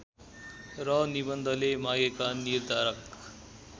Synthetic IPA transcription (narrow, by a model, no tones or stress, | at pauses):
ɾʌnibənd̪ʱəlemaɡekannːiɾd̪ʱaɾək